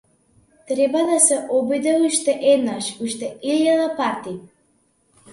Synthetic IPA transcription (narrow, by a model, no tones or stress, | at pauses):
t̪ɾɛbad̪asɛʔɔbid̪ɛuʃt̪ɛʔɛd̪naʃuʃt̪ɛilalˠapaɾt̪i